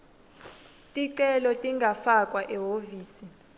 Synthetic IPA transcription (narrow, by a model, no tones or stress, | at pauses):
tʼiǀɛlɔtʼiŋɡʱafakʼwaʔɛɦoviːsi